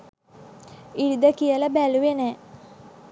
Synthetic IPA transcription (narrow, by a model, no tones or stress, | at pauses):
iɽid̪əkijələbæluʋenɛː